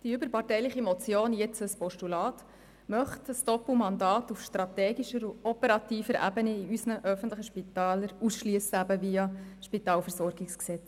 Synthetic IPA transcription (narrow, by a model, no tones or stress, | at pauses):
d̥iʏbəɾpɑtɛɪlɪχimɔt͡sjoːnjɛt͡səspɔʃtulɑːt | mœχtəsd̥ɔpl̩mɑndɑːtufʃtɾɑt̪ɛːɡiʃəɾuɔpəɾɑtiːfəɾæ̰bəniiysnəʔœfən̩tləχəʃpit̪ɑːləɾusʃlyəsəæbəviɑʃpitɑːlfəɾsɔɾɡɪksksɛt͡s